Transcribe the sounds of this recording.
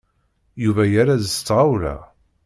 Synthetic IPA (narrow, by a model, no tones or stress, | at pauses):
juvæjaɾaðəst͡sːʁawɾæ̰